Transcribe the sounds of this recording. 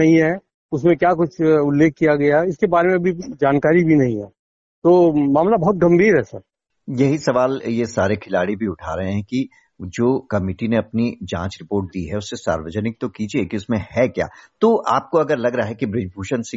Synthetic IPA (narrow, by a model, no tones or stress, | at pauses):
ɐɦĩɦɛː | ʊsmẽkjaːk̬ʊt͡ʃʰʊlːeːkːijaɡɐjaɪskebaːɾemẽɐbʱid͡ʒaːnkaːɾibʱinɐɦĩɦɛː | t̪oːmaːmlabɐɦʊt̪̚ɡɐ̃mbʱiːɾɦɛsɐɾ | jɐɦisɐʋaːljesaːɾekʰɪlaːɽibʱiʊʈʰaːɾɐɦẽɦɛ̃ki | d͡ʒoːkɐmɪʈineɐpnid͡ʒã̰ːt͡ʃɾɪpoːɾʈ̚d̪iɦɛʊsːesa̰ːɾʋəd͡ʒənɪk̚t̪okiːd͡ʒiekiʊsmẽhɛkja̰ːt̪oːʔaːp̚koɐɡəɾlɐɡɾɐaɦɛkibɾɪd͡ʒbʱuːʃənse